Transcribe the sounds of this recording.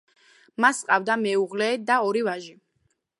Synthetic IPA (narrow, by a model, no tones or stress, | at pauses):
masqʼavd̪amɛuʁlɛːd̪aɔɾivaʒi